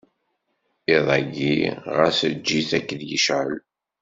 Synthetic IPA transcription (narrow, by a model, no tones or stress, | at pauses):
iðˤɑɡiʁəsəd͡ʒːiθækːðjəʃʕəl